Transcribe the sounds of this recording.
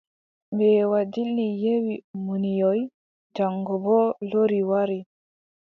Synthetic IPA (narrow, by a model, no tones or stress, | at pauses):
mbɛwadilnijewimunijɔj | daŋɡɔbɔloɾiwaɾi